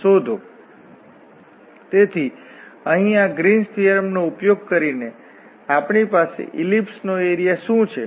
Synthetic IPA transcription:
ʃod̪ʱo | t̪et̪ʰiəɦĩaɡɾinsʈijəɾmnoupjoɡ̚kəɾine | apɳipasḛʔilipsnoeɾijaʃũt͡ʃʰe

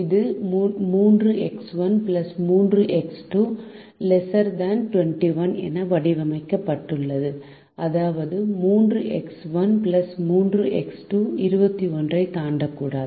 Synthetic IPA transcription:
ɪðɯmːmuːndrɯʔɛksʋɐnplɐsmuːndrɯʔɛksʈuː | lɛsɐɾd̪aːnʈʋɛɳʈiʋɐnɛ̰nɐʋɐɽɪʋɐmɐɪkːɐpːɐʈːɯɭːɐðɯ | ʔɐðaːʋɐðɯmuːndrɯʔɛksʋɐnplɐsmuːndrɯʔɛ̰ksʈuɪɾɯbɐt̪ːiɔndrɐɪt̪aːɳɖɐkːuːɽaːðɯ

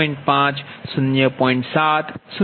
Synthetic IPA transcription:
ɪ̃ɳʈpãːt͡ɕsʊnjəpɔ̃ːɪ̃ɳʈsaːt̪sʊ

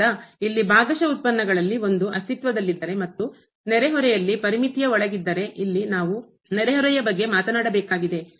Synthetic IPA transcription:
ɐilːibaːɡɐʃɐut̪̚pɐnːɐɡɐɭɐlːio̞nd̪uɐst̪it̪ʋɐd̪ɐlːid̪ːɐɾe̞mɐt̪ːu | nɛɾeɦɔɾɛjɐlːipɐɾimit̪jɐɔɭɐɡid̪ːɐɾe̞ʔilːinaːʋu | nɛɾeɦɔɾɛjɐbɐɡːe̞maːt̪ɐnaːɽɐbɛːkaːɡid̪e̞

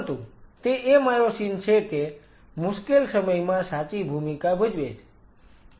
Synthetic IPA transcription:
t̪ũt̪eʔemaɾosint͡ʃʰeke | mʊʃkelsəməjmãsat͡ʃibʱumikabʱʊd͡ʒʋed͡ʒ

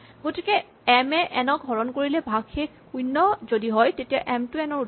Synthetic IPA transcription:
ɡotikɛ | ɛmɛʔɛnɔɡʱɔɹɔnkoɹilɛbʱaɡʰekkujnːɔzodiɦɔjtetijaʔɛmtʊɛnɔɹu

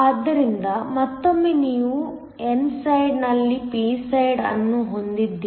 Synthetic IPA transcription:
ɐːd̪ːɐɾind̪ɐmɐt̪ːomːeːniːʋu | ensɐjɖnɐlːipiːsɐjɖɐ̰nːuɦo̞nd̪id̪ːi

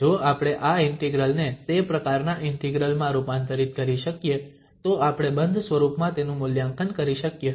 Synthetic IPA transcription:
d͡ʒoapɽ̃eʔaɪɳʈiɡɾəlnet̪epɾəkaɾnaʔɪɳʈiɡɾəlmãɾupãnt̪əɾit̪̚kəɾiʃəkje | t̪oapɽ̃ebənd̪ʱsʋəɾupmãt̪enũmʊljãŋkənkəɾiʃəkje

